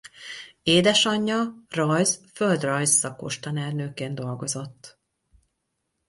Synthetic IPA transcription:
eːd̪ɛʃɒɲːɒrɒjzføld̪rɒjzːɒko̞̰ʃt̪ɒnɛrnøːkeːnd̪o̞lɡo̞zo̞t̪ː

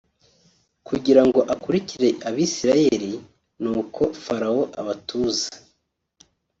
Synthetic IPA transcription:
kuɟiɾaŋɡo̞ʔakuɾiciɾe̞ʔaβiːsiɾaje̞ɾi | nuːkʰo̞faɾao̞ʔaβatuːzḁ

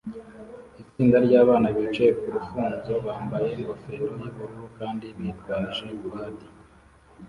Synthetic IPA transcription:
it͡siːndaɾɟaːβaːnaβit͡ʃejekuɾufuːnzo̞βaːmbaje̞ŋɡo̞feːɾojaβuɾuɾukaːndiβjiːtɡaːniʒe̞βuβaːti̥

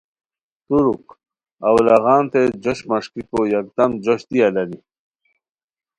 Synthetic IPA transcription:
t̪uɾuk | awlaɣɑːnt̪ed͡ʑoɕmaʂkikojak̚d̪amd͡ʑoɕt̪ialɐɾi

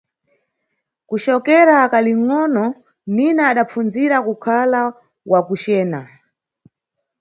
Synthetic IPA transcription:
kuʃt͡ʃɔkɛɾaːkaliŋ̩ŋɔnɔ | ninaːɗap͡funziɾakukʰala | wakut͡ʃɛːna

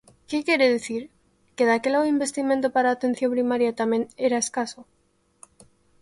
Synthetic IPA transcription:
kekje̞ɾeðeθiɾ | ke̞ðake̞laɣoimbe̞st̪imẽnt̪̬opaɾaːt̪e̞n̟θjo̞mpɾimaɾjat̪amje̞ne̞ɾaeskaso

